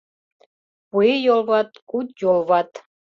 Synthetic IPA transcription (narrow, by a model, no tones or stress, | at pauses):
puejolˠβɑt̪kut̪jolˠβɑt̪